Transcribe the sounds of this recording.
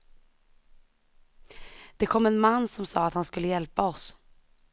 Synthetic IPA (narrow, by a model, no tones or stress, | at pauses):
d̪̥ɛkʰɔmːɛnmanːsɔmsɑːat̪hanskɵlːəjɛlpaɔs